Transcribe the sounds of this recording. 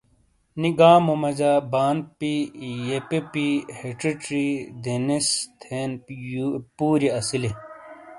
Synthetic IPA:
niɡaːmomɐd͡ʑaːbaːnpijepepiheʈiʈɾid̪enist̪ʰeːn | puːɾiɐsili

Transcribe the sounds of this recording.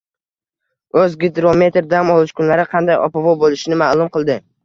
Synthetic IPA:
ɵzɡʲɪd̪ɾome̞t̪ɾd̪amɒlˠɪʃkʰʊnlaɾɪqʰɑnd̪ajɒ̰pavɒbolɪʃnɪmaːlˠʊmqɨlˠd̪ɪ

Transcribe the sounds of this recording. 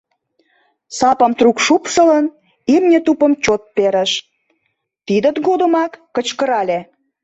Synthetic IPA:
sɑpə̆mt̪rukʃupʃə̆lən | emnʲet̪upə̆mt͡ɕot̪̚peɾəʃ | t̪id̪ə̆t̪ɡod̪ə̆mɑkːə̆t͡ɕkəɾɑlʲe

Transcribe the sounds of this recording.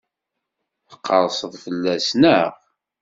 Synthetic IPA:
θə̥qːəɾˤsəðˤfəlːæsnəʁ

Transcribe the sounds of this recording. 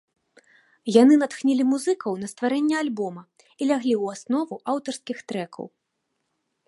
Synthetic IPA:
jan̪ɨnat̪xnʲilʲimuzɨkɐwnɐst̪vaɾɛnʲːɛalʲbɔmɐ | ilʲaɣlʲiuwasnɔvuʔawt̪ɐrskʲixt̪ɾɛkʰɐ̰w

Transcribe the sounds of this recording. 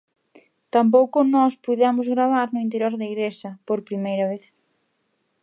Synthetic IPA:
t̪amp̬owkʊnɔspuðɛmʊzɣɾaβ̞aɾnʊint̪eɾjoɾðeɣɾesɐpoɾpɾimejɾɐβ̞eθ

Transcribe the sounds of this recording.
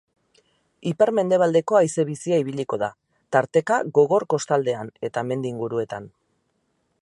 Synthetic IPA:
ipeɾme̞nd̪e̞β̞ald̪e̞ko̞ajse̞β̞isiaiβ̞iʎiko̞ða | t̪aɾt̪e̞kaɣo̞ɣo̞ɾko̞st̪ald̪e̞ane̞t̪ame̞nd̪iːŋɡuɾue̞t̪an

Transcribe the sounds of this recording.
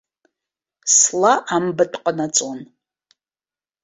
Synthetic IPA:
slaʔambɨtʼqʼənat͡sʼon

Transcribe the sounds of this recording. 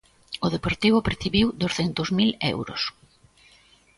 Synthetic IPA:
ʊðepoɾt̪iβʊpɾeθiβiwðosθent̪ʊzmilɛ̰wɾʊ̰s

